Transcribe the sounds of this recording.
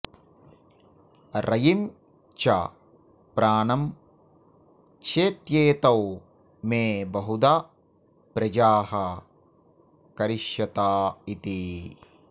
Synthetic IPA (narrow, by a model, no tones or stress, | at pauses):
ɾʔɐjim | t͡ʃɐ̰ | pɾaːnɐm | t͡ʃʰeːt̪jeːt̪ɐw | meːbɐɦud̪a | pɾɐd͡ʒaːɦɐ | kɐɾiʃjɐt̪aːit̪i